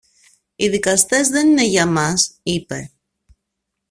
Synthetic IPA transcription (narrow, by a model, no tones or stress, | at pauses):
iðikɐst̪e̞zðe̞nine̞ʝɐmɐsipe̞